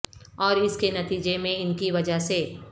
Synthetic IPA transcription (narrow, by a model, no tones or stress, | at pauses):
ɔːɾɪskenɐt̪iːd͡ʒemẽɪnkiʋɐd͡ʒaɦse